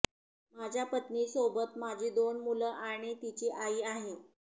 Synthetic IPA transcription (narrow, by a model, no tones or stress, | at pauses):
mad͡ʑʱjapət̪niːsobət̪mad͡ʑʱiːd̪onmuləʔaɽ̃it̪it͡ɕiːʔaiːaɦe